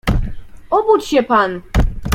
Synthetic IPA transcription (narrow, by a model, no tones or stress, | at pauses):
ɔbut͡ɕɕɛpan